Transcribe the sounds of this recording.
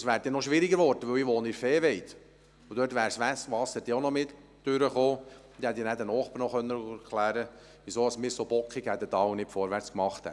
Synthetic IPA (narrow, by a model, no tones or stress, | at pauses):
sʋæːɾd̥̪ɛnɔʃʋɪɾiɡəɾʋɔɾd̥əʋɵwiʋoːniɾfeːʋɛɪt̪ | ud̥̪ørtʋæːɾsʋɛsʋɑsːəd̥iːonɔmɪt̪ | d̥ʏɾəχoː | d̥̪ihɛt̪ːinædɛnɔːχpəɾnɔχœnːəkʰlæːɾə | ʋisoːɑsmiːɾsob̥ɔkχiɡhæd̪ətɑwnɪtfɔɾʋæɾt͡skmɑχt̪hɛ̰t